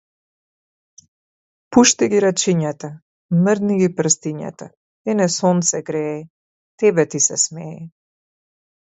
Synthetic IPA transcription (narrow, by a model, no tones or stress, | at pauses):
puʃt̪iɡiɾat͡ʃiɲat̪a | məɾd̪niɡipr̩st̪iɲa̰t̪a | ɛnɛsɔnt̪sɛɡɾɛː | t̪ɛbɛt̪isɛsmɛɛ